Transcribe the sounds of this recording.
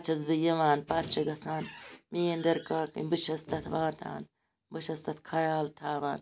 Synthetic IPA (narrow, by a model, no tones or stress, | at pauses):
t͡ʃʰɐzbɨjɐʋaːnpaːt̪t͡ʃʰɐɡɐsaːnmijend̪ɐɾkaːkḭbɨt͡ʃɐst̪ɐt̪ʋaːt̪ʰa̰ːn | bɨʃɐst̪ɐt̪kʰɐjaːlt̪ʰaːʋaːn